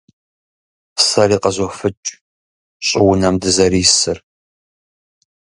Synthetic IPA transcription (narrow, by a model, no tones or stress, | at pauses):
sɐɾiːqɐzɔfɨt͡ʃʼ | ɕʼɪwʊnɐmdɨzɐɾiːsɨr